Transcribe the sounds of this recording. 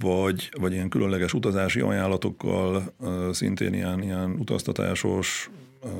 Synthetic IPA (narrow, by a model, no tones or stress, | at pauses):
vɒɟvɒɟijɛŋkylʔø̞nlɛɡɛʃut̪ɒzaːʃiʔɒ̰jaːlːɒt̪o̞kːɒlsint̪ḛːnijɛnijɛnut̪ɒ̰st̪ɒt̪a̰ːʃo̞ʃ